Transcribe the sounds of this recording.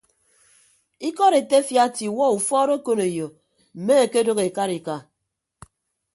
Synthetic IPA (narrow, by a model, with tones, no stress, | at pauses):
i˦kɔ˦ɾe˨te˦fja˦ti˨wɔ˦u˨fɔ˦ɾo˦ko˦ne˨jo˨ | m̩˨me˦e˨ke˦do˦ɣe˨ka˦ɾi˨ka˦˨